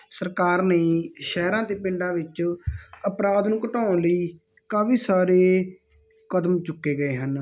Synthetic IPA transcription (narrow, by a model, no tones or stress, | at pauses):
səɾkaːɾnəĩːʃɛːɾãːt̪eːpɪ̃ɳɖãːʋɪt͡ʃ | əpɾaːd̪nũːkəʈaːnləiː | kaːʋiːsaːɾeː | kəd̪mt͡ʃʊkːeːɡəeːɦən